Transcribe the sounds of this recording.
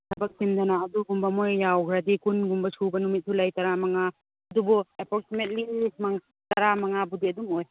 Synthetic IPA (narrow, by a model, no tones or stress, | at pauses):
sʰabɐk̚simdanaːduɡumbɐmojːawɡʰɾadikunɡumbɐsʰubɐnumit̚sulajtaɾamaŋaː | dubɔepɔɾ̚simet̚limaŋ | taɾamaŋabudiɐdumoj